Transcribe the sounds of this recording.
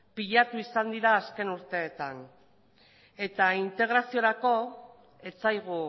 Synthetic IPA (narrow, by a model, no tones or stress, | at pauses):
piʎat̪uisand̪iɾaːske̞nuɾt̪e̞ːt̪an | e̞t̪aint̪e̞ɣ̞ɾasio̞ɾako̞ | e̞t͡sajɣ̞u